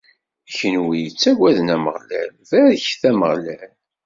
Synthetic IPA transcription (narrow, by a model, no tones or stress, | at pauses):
çənwijət͡sːæɡʷæðnæmə̰ʁlæ̰lvæðçθæməʁlæl